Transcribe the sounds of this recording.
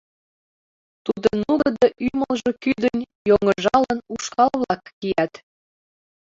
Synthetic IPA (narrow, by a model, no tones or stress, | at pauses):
t̪ud̪ənuɡd̪əʔyməlʒekyd̪ənʲjoŋəʒɑlənuʃkɑlβlɑkːijæt̪